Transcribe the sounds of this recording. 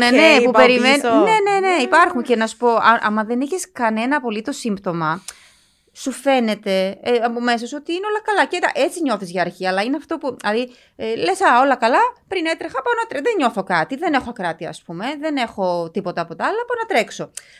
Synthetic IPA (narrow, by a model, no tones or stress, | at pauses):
enepupeɾimenne̞ne̞ne̞ipɐɾxuncenɐsu̥po̞ɐʔɐmɐðe̞niçeskɐne̞nɐːpo̞lit̪o̞simpt̪o̞mɐ | sufe̞ne̞t̪e̞eɐpome̞soso̞t̪iineo̞lɐkɐlɐcet̪ɐ̰ʔe̞t͡siɲo̞θizʝɐːɾçiɐlɐineɐft̪o̞pulɐði | le̞sɐo̞lɐkɐlɐpɾine̞t̪ɾexɐpɐnɐt̪ɾeðeɲo̞θo̞kɐt̪iðe̞ne̞xokɾɐt̪iɐ̰spume̞ðe̞ne̞xo̞t̪ipo̞t̪ɐːpo̞t̪ɐɐlɐpoɐnɐt̪ɾe̞kso̞